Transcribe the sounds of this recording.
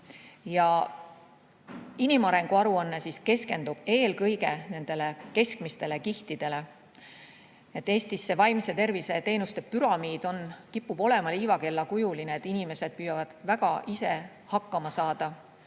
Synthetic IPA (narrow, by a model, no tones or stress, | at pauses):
jɑ | inimɑɾe̞ŋɡ̥uɑɾuɑnːe̞siske̞ske̞nd̪̥ub̥e̞ːlkɤjɡe̞ne̞nd̪̥e̞le̞ke̞skmist̪e̞lekiht̪id̪̥e̞le̞ | et̪ːˑe̞ːst̪isːe̞vɑjmse̞t̪e̞rvise̞t̪e̞ːnust̪e̞pyɾɑmiːd̪̥o̞nkipːub̥o̞le̞mɑliːvɑke̞lːɑkujulineːt̪ːˑinime̞se̞d̪̥̚pyːjɑvɑd̪̥væɡ̥ɑʔise̞ | hɑkːˑɑmɑsɑːd̪̥ɑ